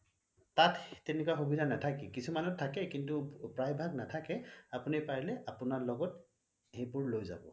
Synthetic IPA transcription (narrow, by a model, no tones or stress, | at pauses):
tatːɛnɛkuwaxubidʱanatʰakɛkisumanɔtʰːakɛkintupɹajbʱaɡnatʰakɛapunipaɹilɛʔapʊnaɹlɔɡɔt | hejpʊɹlojza̰bɔ̰